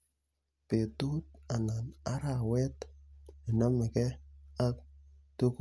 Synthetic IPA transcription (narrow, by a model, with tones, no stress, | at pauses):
pe˨tu˦t̚a˨na˨na˦ɾa˨wɛ˦t̪nɪ˨na˦mɪ˨kɛ˦a˦k̚tu˦k